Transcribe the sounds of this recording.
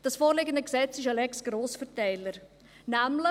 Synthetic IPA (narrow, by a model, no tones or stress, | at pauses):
d̥ɑsfoːɾlɪɡəndəksɛt͡sɪʃalɛksɡ̥ɾoːsfəɾtɛɪləɾ | næmlə